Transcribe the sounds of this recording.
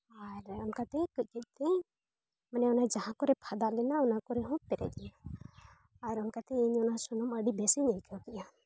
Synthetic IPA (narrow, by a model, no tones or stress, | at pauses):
aɾɔnkat̪ɛkɔc̚ˀkəc̚ˀt̪ɛ | manɛɔnad͡ʒaɦãkɔɾɛpʰad̪alɛnaɔnakɔɾɛɦɔ̃pɛɾɛ̰ɛnaː | ɾɔnkat̪ɛiɲɔnasɔnɔməɖibɛsiɲajkʰɔkɛʔa